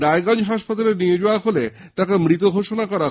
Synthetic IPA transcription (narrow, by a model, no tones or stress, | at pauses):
ɾajɡand͡ʑɦaʃpat̪aleɾnied͡ʑoaɦole | t̪akemɾit̪oɡʱoʃonakɔɾa